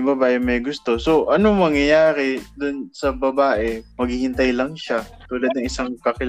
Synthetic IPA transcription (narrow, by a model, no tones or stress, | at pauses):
bɐbaːʔɛmɐjɡʊst̪o̞so̞ʔɐnoŋmɐŋjɐjaːɾɛd̪ʊnsɐbɐbaːʔɛmɐɡhɪhɪnt̪ajlɐŋʃat̪uːlɐd̪nɐŋɪsaŋkɐkɪl